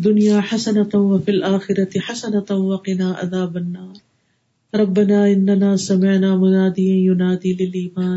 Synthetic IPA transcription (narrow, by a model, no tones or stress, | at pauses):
d̪ːʊnjaːħasɐnɐt̪wɐfilʔaːxɪɾɐt̪ɪħasɐnɐt̪wɐqɪnaːʔɐ̰ðaːbɐnːaːɾ | ɾˤɑbːanaːɪnːɐnaːsɐmɪʕnaːmʊnaːd̪ijnjʊnaːd̪iːlɪlʔiːmaː